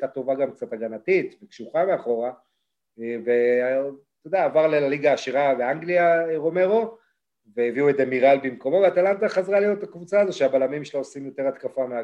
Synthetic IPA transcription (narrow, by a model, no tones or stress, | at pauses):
tat̪o̞vaɡamk̚t͡sat̪aɡanat̪it̪vekʃuχameaχo̞ʁa | ve | t̪o̞d̪eaːvaʁlealiɡaːʃiʁaveaŋɡliaeʁo̞me̞ʁo̞ | vejeviuezemiʁalbimko̞mo̞veat̪alant̪aχazʁaliot̪̚t̪akvut͡saːzoʃeabalamimʃeloosimjo̞t̪e̞ʁat̪kafamea